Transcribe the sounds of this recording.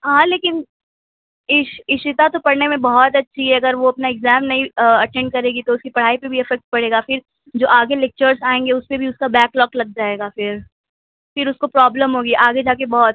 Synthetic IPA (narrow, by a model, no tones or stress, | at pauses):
ɦãːleːkɪn | ɪʃɪʃɪt̪at̪opɐɽnemẽbɔɦɔt̪̬ɐtːʃʰiɦɛɐɡəɾʋoɐpnaɪkzɛːmnɐɦĩɐʈɛ̃ɳɖ̚kɐɾeːɡit̪oʊskipɐɽ̤aːipeɾbʱiɛfɛk̚ʈ̚pɐɽeːɡafɪɾ | d͡ʒoːʔaːɡelɛk̚t͡ʃəɾzaːẽːŋɡeʊspebʱiʊskabɛːklɔːklɐɡ̚d͡ʒaːeːɡafɪɾ | fɪɾʊskopɾɔːbləmɦoːɡiʔaːɡed͡ʒaːk̬ebɔɦɔt̪̚